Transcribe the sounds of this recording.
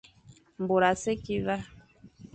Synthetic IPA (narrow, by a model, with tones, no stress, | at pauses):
m̩˨bo˨ɾa˨se˦ki˦va˦